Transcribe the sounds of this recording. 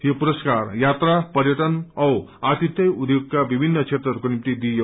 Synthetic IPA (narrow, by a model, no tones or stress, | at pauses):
hepuɾəskaɾjat̪ɾapəɾjəʈənʌwat̪it̪jəjud̪joɡ̚kabibʱinːəksʰet̪ɾəɾkonimt̪id̪ijə